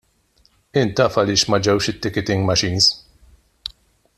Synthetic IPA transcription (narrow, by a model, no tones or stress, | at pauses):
ɪnt̪ɐːfɐlɪːʃmɐd͡ʒɛwʃɪt̪ːɪkɛt̪ɪŋɡmɐʃiːns